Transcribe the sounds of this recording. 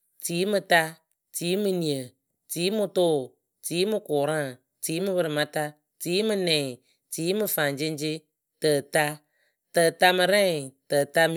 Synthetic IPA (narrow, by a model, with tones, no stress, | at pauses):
tiː˨˦mɨ˧ta˧ | tiː˨˦mɨ˧ni˨ə˨ | tiː˨˦mɨ˧tʊ˦˨ | tiː˨˦mɨ˧kʊ˨ɾã˦˨ | tiː˨˦mɨ˦bɨ˧ɾɨ˨ma˦ta˧ | tiː˨˦mɨ˧nɛ˨ | tiː˨˦mɨ˧faː˨nd͡ʒi˦n˦d͡ʒi˦ | tə˨ta˧ | tə˨ta˧mɨ˧ɾɛ˦ŋ˨tə˨ta˧m